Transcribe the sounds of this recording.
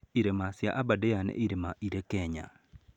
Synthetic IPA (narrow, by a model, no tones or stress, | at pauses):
iɾemasjaʔabadejanɛ̰ʔiɾemaʔiɾekɛɲa̰